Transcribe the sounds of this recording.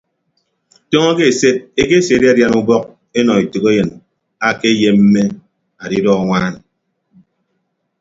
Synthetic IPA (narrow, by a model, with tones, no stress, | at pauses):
to˦ŋɔ˦ke˦e˨se˦t̚e˦ke˦se˨di˦a˦dja˦nu˦bɔ˦k̚ | e˦nɔ˨i˨tu˨ke˦jɨ˨n | a˨ke˦je˦m̩˦me˦ | a˨di˦dɔ˦˨ŋʷaː˦n˨